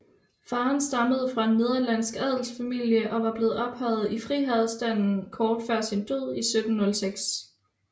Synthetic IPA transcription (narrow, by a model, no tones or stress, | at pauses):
fɑ̈ːnsd̥ɑ̈məð̞̩ˠəfʁɑ̈e̝nːe̝ð̞ˠɐlæn̰sɡ̥æð̰ˠl̩sfæmil̰jəʔɒ̽ʋɑ̈b̥le̝ːð̩ˠɒ̽b̥hɒð̞̩ˠifʁiːɦæð̩ˠsd̥æn̰n̩kʰɒːd̥fɶɐ̰sind̥øð̰ˠisød̥n̩ːɔ̽lseɡ̥s